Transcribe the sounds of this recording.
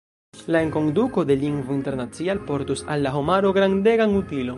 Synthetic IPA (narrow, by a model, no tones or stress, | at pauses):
laeŋko̞nduko̞de̞liŋɡvointe̞ɾnat͡sialpo̞ɾtusalːaɦomaɾo̞ɡɾande̞ɡanutilo̞n